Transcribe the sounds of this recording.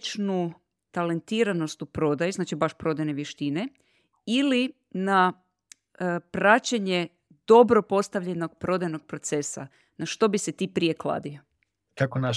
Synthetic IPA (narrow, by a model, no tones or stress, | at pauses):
t͡ʃnu | t̪ale̞nt̪iɾano̞st̪upɾo̞d̪ajuznaːt͡ʃibaʃpɾod̪ajne̞ʋjeʃt̪ine̞ | ili | na | pɾat͡ɕeɲe̞ | d̪̥o̞bɾo̞po̞st̪aʋʎeno̞ɡ̚pɾo̞d̪ajno̞ɡ̚pɾo̞t̪se̞sa̰ | naʃt̪o̞biset̪iːpɾije̞klˠa̰d̪io | kakona